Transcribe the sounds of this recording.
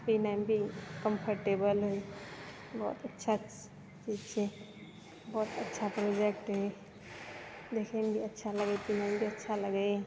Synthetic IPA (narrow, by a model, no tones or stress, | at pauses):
pinaɪmbʱikəmpʰəɾʈebəlɦoi | bɔ̰ːt̪ətːʃʰa | t͡ʃiːd͡ʒt͡ʃʰe | bɔːt̪ətːʃʰapɾod͡ʒek̚ʈɦoi | d̪ekʰenbʱiɐtːʃʰaləɡepinaɪ̃mbʱiɐtːʃʰaləɡa